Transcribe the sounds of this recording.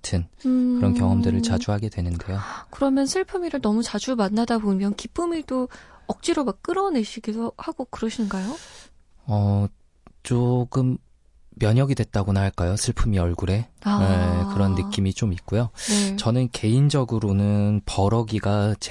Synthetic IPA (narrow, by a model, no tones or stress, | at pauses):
tʰɯnkɯɾʌnkjʌŋʌmdɯɾɯɭt͡ɕad͡ʑuɦaɡe̞dwe̞nɯndejokɯɾʌmjʌnsʰɯɭpʰɯmiɾɯnʌmut͡ɕad͡ʑumanːadabomjʌnkip͈ɯmiɭdoʌk̚t͡ɕ͈iɾomakk͈ɯɾʌne̞ɕʰiɡidohaɡokɯɾʌɕʰinɡajo | ʌ | t͡ɕ͈oɡɯmː | jʌɲʌɡidwe̞t̚t͈aɡonɦaɭk͈ajosʰɯɭpʰɯmiʌɭɡuɾe̞aekɯɾʌnːɯk͈imit͡ɕomit̚k͈ujot͡ɕʌnɯnke̞ind͡ʑʌɡɯɾonɯnpʌɾʌɡiɡat͡ɕ